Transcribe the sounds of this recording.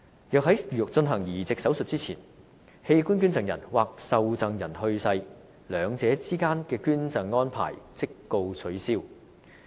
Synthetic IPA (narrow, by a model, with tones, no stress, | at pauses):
jœː˨k̚ɦɐ˨˥jy˨˩ʊ˨k̚t͡sɵ˧nɦɐ˨˩ŋjiː˨˩t͡sɪ˨k̚sɐ˨˥wsɵ˨t̚t͡siː˥t͡sʰiː˨˩n | he˧jkuː˥nky˥nt͡sɐ˨ŋjɐ̰˨˩nwaː˨k̚sɐ˨˧wt͡sɐ˨ŋjɐ˨˩nhɵ˧ɥsɐ˧j | lœː˨˧ŋt͡sɛː˨˥t͡siː˥kaː˥nkɛː˧kyː˥nt͡sɐ˨ŋːɔː˥npʰa̰ː˨˩jt͡sɪ˥kːo˧wt͡sʰɵ˨˥ɥsiː˥w